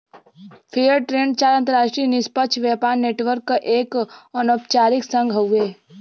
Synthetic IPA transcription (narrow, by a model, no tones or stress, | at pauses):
pʰejəɾʈɾẽːɳɖt͡ʃaːɾə̃nt̪əɾaːʃʈɾiːnɪspəkʃʰʋjaːpaːɾneːʈʋəɾkːʔeːkənɔp̚t͡ʃaːɾɪksə̃ŋɡʱɦəeː